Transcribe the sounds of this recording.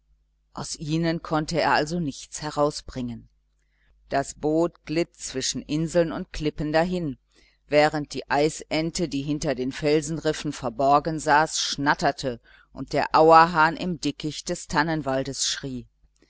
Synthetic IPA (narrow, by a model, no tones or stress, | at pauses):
ʔaʊsʔiːnənkʰɔntəḛːɐʔalzonɪçt͡shɛʁaʊsb̥ʁɪŋən | d̥asb̥oːtɡ̥lɪtt͡sv̥ɪʃn̩ʔɪnzl̩nʊntkl̥ɪpəndaɦɪn | vɛːʁ̞ənt̚d̥ḭːʔaɪsʔɛntədiːɦɪntɐdeːnfɛlzn̩ʁɪfn̩fɛɐbɔɐɡənzaːsʃnatɐtʰə | ʔʊ̰nt̚d̥eːɐʔaʊɐɦaːnʔɪ̰mdɪkɪçd̥ɛstʰanənvaldəsʃʁ̥iː